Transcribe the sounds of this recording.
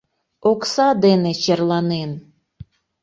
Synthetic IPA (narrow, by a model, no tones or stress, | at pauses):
oksɑd̪enet͡ɕerlɑnen